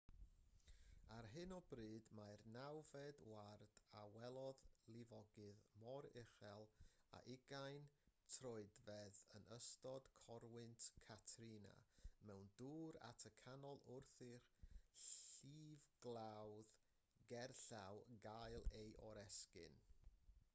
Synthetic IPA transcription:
arɦɨnɔbrɨːdmarnawvɛdward̥awɛlˠɔðlˠɪvɔɡɨðmɔɾɪχɛlˠa̰ʔɪɡajntʰrɔɨdvɛðənəstɔd̥kʰɔɾwɨntʰkʰatʰrina̰mɛwnduːɾa̰tʰəkʰanɔlˠʊrθɪχɬiːvɡlˠawð | ɡɛrɬawɡajlˠejʔɔɾɛskɨ̰n

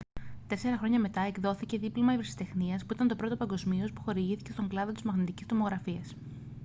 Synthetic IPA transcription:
t̪e̞se̞ɾɐxɾo̞ɲɐme̞t̪ɐe̞kðo̞θice̞ðiplomɐivɾisi̥t̪e̞xniɐspuit̪ɐnt̪o̞pɾo̞t̪o̞pɐŋɡo̞zmio̞spu̥xo̞ɾiʝiθi̥ce̞st̪o̞ŋɡlɐðo̞t̪izmɐɣnit̪icist̪o̞mo̞ɣɾɐfiɐs

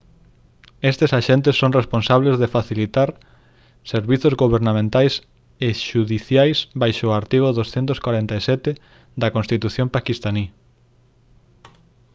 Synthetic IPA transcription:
est̪esaʃent̪esːoŋresponsaβ̞lezðefaθilit̪aɾ | seɾβiθozɣoβeɾnamẽnt̪ajs | eʃuðiθjajsbajʃoaɾt̪iɣ̞oðosθɛnt̪oskwaɾɛnt̪aisɛt̪e | d̪ɐkõnst̪it̪uθjompakist̪ani

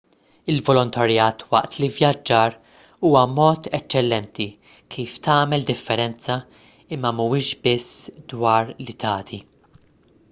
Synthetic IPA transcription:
ɪlvɔlɔnt̪ɐɾjɐːt̪wɐ̰ʔt̪livjɐd͡ʒːɐːɾ | uːwɐmɔːt̪ɛt͡ʃːɛlːɛnt̪i | kʰiːft̪ɐːmɛld̪ɪfːɛɾɛnt͡sɐ | ɪmːɐmuɪːʃbɪsːd̪wɐːɾlit̪ɐːt̪ʰi

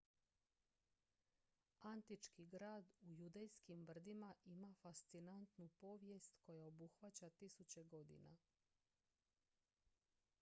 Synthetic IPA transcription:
ant̪it͡ʃkiɡɾaːd̪ujud̪ejskimbr̩d̪imaʔimafast̪sinant̪nupo̞ːʋje̞st̪ko̞jao̞buxʋat͡ɕat̪isut͡ɕe̞ɡo̞d̪ḭna̰

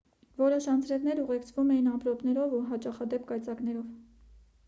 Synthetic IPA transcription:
vɔɾɔʃɑnt͡sʰɾɛvnɛɾuʁɛkt͡sʰvumɛjinɑpɾɔpnɛɾɔvuɦɑt͡ʃɑχɑd̪ɛpkɑjt͡sɑkn̪ɛɾɔv

